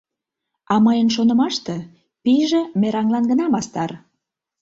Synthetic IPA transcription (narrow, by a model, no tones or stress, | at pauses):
ɑməjənʃ̬onə̆mɑʃt̪ĕ | piʒĕmeɾɑŋlɑnɡənɑmɑst̪ɑr